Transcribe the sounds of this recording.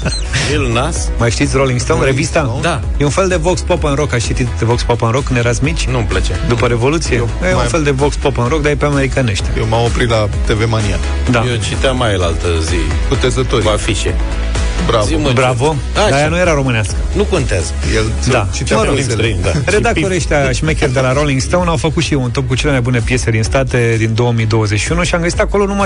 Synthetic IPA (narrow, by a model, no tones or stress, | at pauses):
elnas | majʃt̪it̪sʲroliŋɡst̪onɾevist̪a | d̪a | jeunfe̞ld̪e̞vokspopənɾo̞kast͡ʃit̪it̪vokspopənɾokːɨnjeɾat̪smit͡ʃʲnumplət͡ʃad̪upəɾe̞vo̞lut̪sije | jũnfe̞ld̪e̞vokspopənɾo̞k̚d̪ajepeame̞ɾikaneʃt̪ʲajewmamopɾit̪la | t̪evemania̰l | d̪ajet͡ʃit̪eamajəlalt̪əzḭ | kut̪e̞zət̪oɾkafiʃḛ | bɾavbɾavo | aajanuje̞ɾaɾo̞mɨnaskənukont̪eaz | jel | d̪at͡ʃit̪aməɾo | md̪aɾe̞d̪ak̚t̪o̞ɾeʃt̪aʃimekʲerd̪e̞laɾoliŋɡst̪awnawfəkut̪ʃijeunt̪o̞p̚kut͡ʃe̞le̞majbune̞pje̞se̞d̪inst̪at̪e̞d̪ind̪o̞wəmid̪o̞wəzet͡ʃʃiunuʃiamɡəzit̪ako̞lo̞numaj